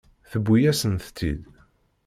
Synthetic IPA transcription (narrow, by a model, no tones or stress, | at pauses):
θəbːujæsənθt̪ʰːḭd̪